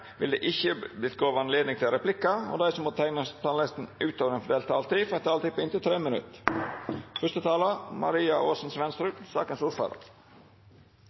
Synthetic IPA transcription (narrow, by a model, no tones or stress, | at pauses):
ʋɪld̪ḛːʔɪçəblɪt̪̚ɡoːʋɑnleːd̪nɪŋt̪ɪlɾɛplɪkːɑo̰d̪æɪsɔmot̪ʰænət̪ʰɑːllɪst̪n̩ʉːt̪oːʋəɾəŋfɔɖ̪eːlt̪ʰɑːlt̪ifɾɛt̪ʰɑːlt̪ɪpːɪnt̪ɪt̪ʰɾeːmənʉ̰t̪ | fœʂt̪ət̪ʰɑːlɑmɑ̰ɾiːɑʔoːsn̩sʋɛnst̪ɾʉːsɑːkənsʊɾfɑ̰d̪ə̰ɾ